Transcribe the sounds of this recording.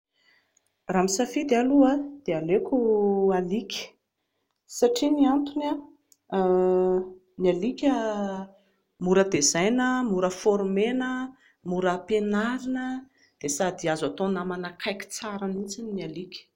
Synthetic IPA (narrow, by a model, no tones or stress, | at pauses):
ramisafid̪ealuad̪̥ealekʲualikʲə̥ | saʈ͡ʂiniant̪una | nialikʲə | muɾəd̪ezajnəmuɾəfoɾmenə | muɾəpenaɾinə | d̪̥esad̪iazat̪onamanakʰajkʲi̥t͡saɾanit͡sininialikʲ